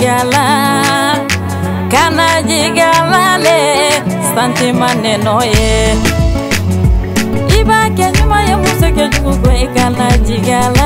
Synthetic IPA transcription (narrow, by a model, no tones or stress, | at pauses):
ala | kanad͡ʒiɡalale | stantimanenɔje | ibakeɲumajekuseked͡ʒukuɡoekanad͡ʒiɡala